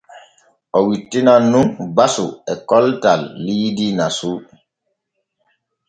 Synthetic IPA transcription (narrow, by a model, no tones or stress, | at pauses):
ʔɔwitːinanːunbasṵɛkɔltalːiːdinasu